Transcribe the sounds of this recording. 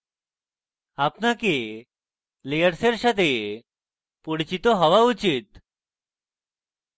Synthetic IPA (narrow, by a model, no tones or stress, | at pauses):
apnake | lejəɾseɾɕat̪e | puɽt͡ɕit̪ɔɦəʋaut͡ɕit̪